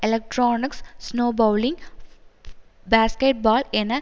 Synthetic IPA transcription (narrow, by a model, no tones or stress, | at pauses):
elek̚ʈɾoːnikssnoːbɐwliŋɡ | baːskeʈ̚baːlenɐ